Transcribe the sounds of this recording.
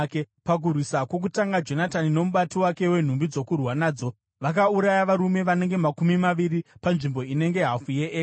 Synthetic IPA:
ke | pak̬urwisakwo̞k̬utaŋɡad͡ʒo̞natanino̞muɓatiwake̞we̞n̤umbid͡zo̞kurwanaːd͡zo̞ | ʋak̬auɾajaʋaɾume̞ʋane̞ŋɡe̞makumimaʋiɾipanʐimbo̞ine̞ŋɡe̞ɦafujeʔː

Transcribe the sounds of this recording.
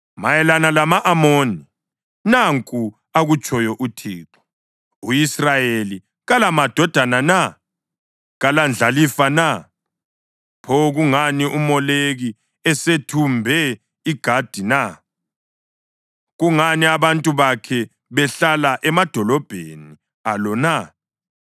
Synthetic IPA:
majɛlanalamaʔamoːni | naŋkʼu | aɣut͡ʃʼɔjɔʔutʰḭːǁɔ̥ | uisrajeli | ɣalamad̥ʱɔd̥ʱanana | ɣaland͡ɮʱalifana | pʰɔɣuŋaniʔumɔleɣi | ɛsetʰumbʱɛ | iɡ̥ʱad̥ʱina | ɣuŋaniaβantʼuβakʰɛ | βɛɬalaʔɛmad̥ʱɔlɔb̥ʱeni | alɔna

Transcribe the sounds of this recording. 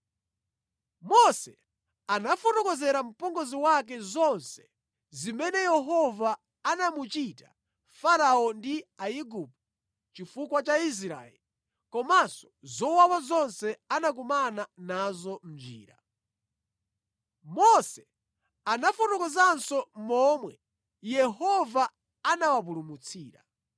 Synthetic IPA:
mɔsɛ | anafɔtɔkɔzɛɾam̩pɔŋɡɔziwak̬ɛzɔnsɛ̥ | zimɛnɛjɛɦɔvaː | namut͡ʃita | faɾaɔndiaiɡup̚ɔ | t͡ʃifukwat͡ʃais̬ɾa̰ɛ̰li | kɔmasɔ̥zɔwawazɔnsɛanak̬umananazɔm̩d͡ʒḭːɾa | mɔsɛ | anafutɔkɔzansɔmɔːmwɛ | jɛɦɔva | anawapulumut͡sʰiːɾa̰

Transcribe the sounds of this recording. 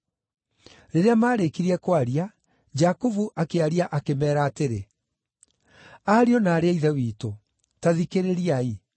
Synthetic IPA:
ɾeɾeamaːɾekiɾiɛkwaɾia | d͡ʑakovuʔakeaɾiaʔakemɛːɾaːteɾe | aːɾiɔnaːɾeaiðɛwiːto | taðikeɾeɾiai

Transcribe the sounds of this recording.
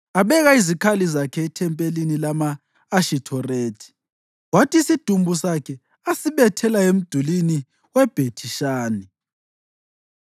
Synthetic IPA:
aβɛɣaizikʰalizakʰɛːtʰɛmpʼelinilamaː | ʃitʰɔreːtʰi̥ | watʰʼisid̥ʱumbʱusakʰɛ | asiβɛtʰɛlaem̩d̥ʱulini | wɛb̥ʱetʰiʃaːni

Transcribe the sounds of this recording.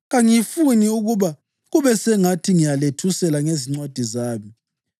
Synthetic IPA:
ɣaŋifuniuɣuβa | ɣuβɛsɛŋatʰiŋijaletʰusɛlaŋeziŋ͡ǀwad̥ʱizaːmi

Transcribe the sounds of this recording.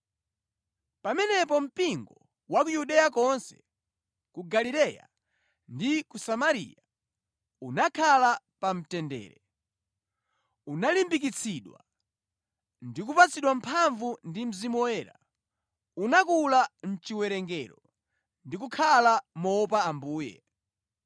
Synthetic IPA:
pamɛnɛpɔm̩piŋɡɔ | wak̬ujuɗɛjakɔnsɛ̥̰ | kuɡalilɛja̰ | ndikusamaɾḭja | unakʰala | pam̩tɛndɛ̰ːɾɛ | unalimbik̬it͡sʰiɗwa | ndik̬upat͡siɗwam̩pʰaɱvundim̩zimɔɛːɾa̰ | unakulan̩t͡ʃiwɛɾɛŋɡɛɾɔ | ndik̬ukʰalamɔp̬aːmbuːjɛ̰

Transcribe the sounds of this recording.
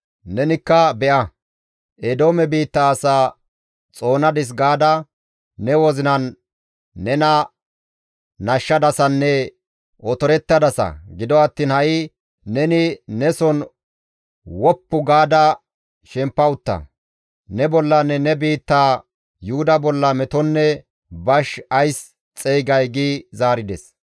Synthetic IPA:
nɛnɪkːɐbɛʔɐ | ʔɛd̪o̞ːmɛbiːt̪ːaːsaː | t͡sʼo̞ːnɐd̪ɪs̬ɡaːd̪ɐː | ɛwɔzɪnɐnː | ɛnɐ | nɐʃːɐd̪ɐsɐnːɛ | ʔɔt̪ɔɾɛt̪ːɐd̪ɐsɐ̰ɡɪd̪ɔɐt̪ːiːnhɐjɪ | nɛnɪnɛsɔn | wɔpːʊɡaːd̪ɐ | ʃɛmpːɐʊt̪ːɐ̰ | nɛbɔlːɐnːɛnɛbiːt̪ːaː | jʊhʊd̪ɐbɔlːɐmɛt̪ɔnːɛ | bɐʃɐjs | t͡sʼɛjɡɐjɡizaːɾɪd̪ɛs

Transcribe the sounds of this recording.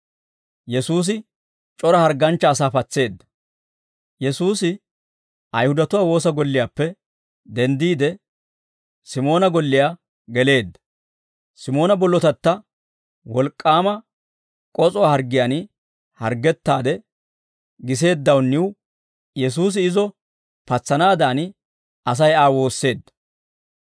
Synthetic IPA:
jɛsuːs̬ɪ | t͡ʃʼɔɾɐhɐɾɡːɐnt͡ʃːɐːs̬aːfɐt͡sːe̞ːd̪ːɐ̥ | jɛsuːsɪ | ɐjhʊd̪ɐt̪ʊwaːwo̞ːsɐɡɔlːɪjaːpːɛ | d̪ɛnd̪iːd̪ɛ | sɪmo̞ːnɐɡɔlːɪjaː | ɡɛle̞ːd̪ːɐ̥ | sɪmo̞ːnɐbɔlːɔt̪ɐt̪ːɐ | wɔlkʼːaːmɐ | kʼɔt͡sʼɔwahɐɾɡɪjanɪ | hɐɾɡɛt̪ːaːd̪ɛ | ɡɪs̬e̞ːd̪ːɐwnːɪw | jɛs̬uːs̬ɪɪzɔ | pɐt͡sːɐnaːd̪aːn | ɐs̬ɐjaːwo̞ːsːe̞ːd̪ːɐ̥

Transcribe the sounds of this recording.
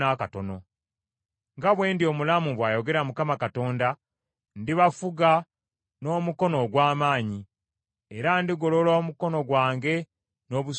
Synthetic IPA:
akato̞no̞ | ŋɡaβwe̞ːndio̞ːmulamuβwaːjo̞ɡe̞ɾamukamakato̞ːnda | ndiβafuɡa | no̞ːmuko̞no̞ɡwaːmaːɲi | eɾandiɡo̞lo̞loːmuko̞no̞ɡwaːŋɡe̞ | no̞ːβus

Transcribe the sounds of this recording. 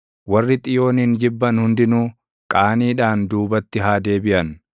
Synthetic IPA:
wɐrːɪt̪ʼɪjo̞ːniːnd͡ʒɪbːɐnhʊnd̪ɪnuː | kʼaːniːᶑaːnd̪uːbɐt̪ːɪɦaːd̪e̞ːbɪʔɐn

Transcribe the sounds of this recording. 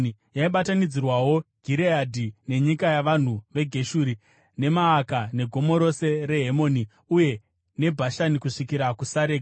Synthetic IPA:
jaiɓatanid͡zirwawo̞ɡ̥ʱiɾeadʱine̞ɲikajaʋan̤uʋe̞ɡʱe̞ʃuːɾi | ne̞maːkane̞ɡʱo̞mo̞ɾo̞se̞ɾe̞ɦemo̞ni | uje̞ | ne̞bʱaʃanikuʂikiɾakusaɾeːka

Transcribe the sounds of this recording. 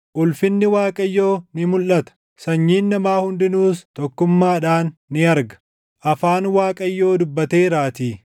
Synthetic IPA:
ʔʊlfɪnːɪwaːkʼɐjːo̞ːnɪmʊlːɐt̪ɐ̥ | sɐɲːiːnːɐmaːhʊnd̪ɪnuːst̪ɔkːʊmːaːᶑaːnːɪɐɾɡɐ̥ | ʔɐfaːnwaːkʼɐjːo̞ːd̪ʊbːɐt̪e̞ːɾaːt̪iː

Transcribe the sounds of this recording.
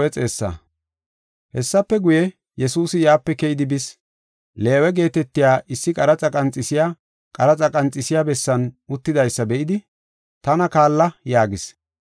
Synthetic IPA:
ɛt͡sʼe̞ːsːɐ̰ | hɛsːɐpːɛɡʊjɛ | jɛsuːsɪjaːpːɛkɛjɪd̪ɪbɪs | le̞ːwɛɡe̞ːt̪ɛt̪ːɪjaːʔɪsːɪkʼɐɾɐt͡sʼɐkʼɐnt͡sʼːɪsɪjaː | kʼɐɾɐt͡sʼɐkʼɐnt͡sʼːɪsɪjabɛsːɐnʊt̪ːɪd̪ɐjsːɐbɛʔɪd̪ɪ | t̪ɐnɐkaːlːɐjaːɡɪs

